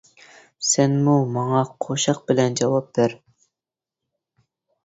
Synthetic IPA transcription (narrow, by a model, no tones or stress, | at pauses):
sɛnmumɑŋɑqʰoʃɑq̚bɪlɛnd͡ʒɑwɑp̚d̪æɾ